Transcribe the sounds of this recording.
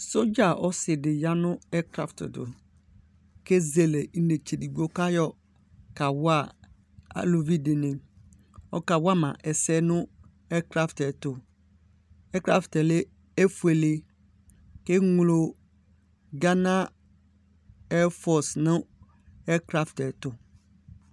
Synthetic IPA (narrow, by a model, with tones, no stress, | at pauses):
so˦d͡ʒa˨ʔɔ˦sɪ˨dɪ˨ja˦nʊ̃˦ɛ˦kɾa̰˨ftdʊ̰˨ | ke˦ze˨le˨n̩˦ne˨t͡ʃe˨di˨ɡo˦ka˦jɔ˨ | ka˨wʊ˦a˦˨ | a̰˨lo˨vi˦dɪ˨nɪ̃˨ | ɔ̰˦ka˨wa˦mã̰˨ʔɛ˨sɛ˦nʊ̃˦ | ɛ˦kɾa˦ftɛ˨tʊ˨ | ɛ˦kɾa˦ftɛ˨lɪ˦ | e˦fu˦˨e˨le˦ | ke˦ŋʊ˨lo˨ | ɡã˦nã˦ | ɛ˦fɔ˨snʊ̃˦ | ɛ˦kɾa˦ftɛ˨tʊ˨